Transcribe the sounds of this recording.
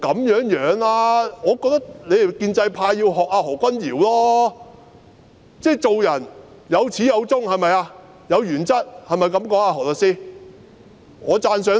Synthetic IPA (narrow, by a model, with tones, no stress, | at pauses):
kɐ˨˥mjœː˨˥ŋjœː˨˥ŋlaː˧ŋɔː˨˧kɔː˧k̚t̪ɐ˥k̚le˨˧jkiː˧nt͡sɐ˧jpʰaː˧jjiː˧wɦɔː˨k̚aː˧hɔː˨˩kʷɐ˥njiː˨˩wlɔː˥ | t͡sɛː˥˩t͡so˨wjɐ˨˩n | jɐ˨˧wt͡sʰiː˨˥jɐ˨˧wt͡sʊ˥ŋhɐ˨jmɐ˨jaː˧ | jɐ˨˧wjyː˨˩nt͡sɐ˥t̚hɐ˨jmɐ˨˩jkɐ˨˥mkɔː˨˥ŋaː˧ɦɔː˨˩lɔ˨˩siː˥ | ŋɔː˨˧t͡saː˧ns̬œː˨˧˥